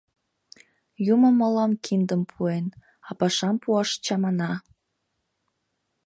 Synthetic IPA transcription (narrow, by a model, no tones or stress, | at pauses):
juməmːolɑmkʰind̪əmpʰuen | ɑpɑʃɑmpuɑʃt͡ɕɑmɑnɑ